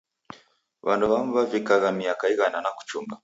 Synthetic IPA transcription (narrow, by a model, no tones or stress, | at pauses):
βa̰nduβam̩vavikaɣamiakaiɣananaku̥t͡ʃuŋɡa